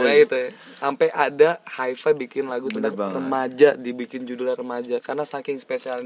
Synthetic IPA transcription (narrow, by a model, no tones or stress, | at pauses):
jaɡit̪uj | ampɛʔadahaifabikɪnlaɡut̪rəmad͡ʒadibikɪnd͡ʒudlarəmad͡ʒakarnasakɪŋspesialɲ